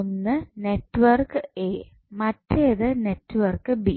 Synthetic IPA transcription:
nːɨneʈːʋɐrkɨe | mɐtːejɐðɨnetːɨʋɐrkɨbi

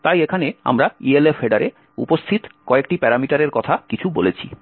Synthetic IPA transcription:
t̪ajekʰanea̰mɾaielefeɖaɾe | ṵpost̪ʰit̪kɔek̚ʈipɛɾamiʈaɾeɾkɔt̪ʰakit͡ɕʰubolet͡ɕʰḭ

